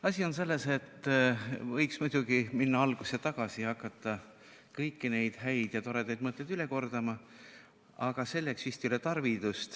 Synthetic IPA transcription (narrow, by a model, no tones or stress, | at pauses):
ɑsʲio̞nse̞lːe̞se̞t̪ːvɤjksmujd̪̥uɡ̥iminːɑɑlɡ̥uset̪ɑɡ̥ɑsiɑkːˑɑt̪ːˑɑ | kɤjkːine̞jd̪̥ɦæjd̪̥jɑt̪o̞ɾe̞d̪ejd̪̥̚mɤt̪lːejd̪̥yle̞ko̞rd̪̥ɑmɑ | ɑɡ̥ɑse̞lːeksist̪iylet̪ɑrvid̪ust̪